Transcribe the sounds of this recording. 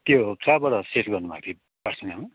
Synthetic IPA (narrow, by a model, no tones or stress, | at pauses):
t̪jokabʌɾʌsetɡʌrnubʱa̰t̪ʰi | basʰʌnama